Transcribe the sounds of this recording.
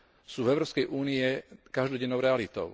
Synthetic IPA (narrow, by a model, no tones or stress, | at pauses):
suːvɛʊɾɔːpskɛjʔuːniɛkaʒd̪ɔɟɛnːɔʊɾɛalit̪ɔ̰ʊ